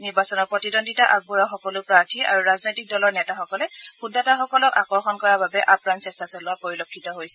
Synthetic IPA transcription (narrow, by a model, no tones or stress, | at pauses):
niɹbasɔnɔɹpɹɔtidonditaʔaɡ̚buɹaxɔkɔlʊpɹaɹtʰia̰ɹuɹaznojtik̚dɔlɔɹnɛtaxɔkɔlɛxudataxɔkɔlɔkakɔɹxɔnkɔɹababɛʔapɹansɛstʰasɔlʊwapoɹilokʰːitɔɦojsɛ